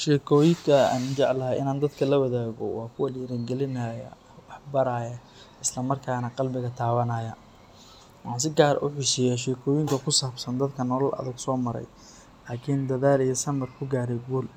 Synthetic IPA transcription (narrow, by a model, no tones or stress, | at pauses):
ʃɛːkʰɔːjɪŋkʰɐa̰ːnt͡ʃɛʕlɐɦɐʔɪ̰naːnd̪ɐd̪kʰɐlɐwɐðaːɣɔ̰wɑːkʰʊwɐliːɾɐŋɡɛlɪnajɐ̰ | wɑħbɐɾaːjɐ | ɪslɐmɐrkʰaːnɐqɑlbɪɣɐt̪ʰaːβɐnaːjɐ | wɑħɑːns̬ɪɡaːɾɐ̰ʔʊ̰ħɪʃɪjaːʃɛːkʰɔːjɪŋkʰɐkʰʊsaːbsɐnd̪ɐd̪kʰɐnɔlɐlʔɐ̰ðɐɡsɔːmɐɾɛ̰j | laːkʰɪnd̪ɐðaːlijɐsɐmɐrkʰʊɡaːɾɛjɡuːl